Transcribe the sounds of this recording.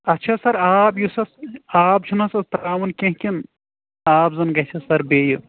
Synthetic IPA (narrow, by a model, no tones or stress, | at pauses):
ɐtːt͡ʃʰasɐɾaːbjusɐsaːp̚t͡ʃʰunɐsɐst̪ɾaːmɐnkʲẽɦkʲin | aːbzɐnɡɐt͡ʃʰɐsɐɾbeːju